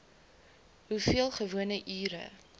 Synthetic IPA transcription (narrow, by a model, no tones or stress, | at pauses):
ɦufiəlˠχəvuənəʔyːɾə̰